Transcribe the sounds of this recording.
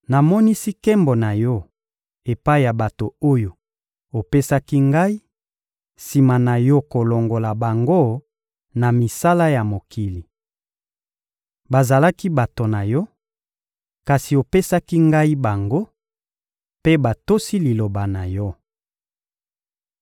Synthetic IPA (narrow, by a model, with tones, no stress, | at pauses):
na˨mɔ˦ni˦si˦kɛ˦mbo˨na˨jɔ˦ | e˨pa˦i˦˨ja˨ba˨to˨o˦jo˨ | o˨pe˦sa˦ki˦ŋɡa˦i˦ | si˨ma˨na˨jɔ˦ko˨lo˨ŋɡo˨la˨ba˨ŋɡo˦ | na˨mi˨sa˦la˦ja˨mo˨kʰi˨li˨ | ba˨za˨la˦ki˦ba˨to˨na˨jɔ˦ | ka˨si˨o˨pe˦sa˦ki˦ŋɡa˦i˦ba˨ŋɡo˦ | pe˦ba˨to˦si˦li˨lo˨ba˨na˨jɔ˦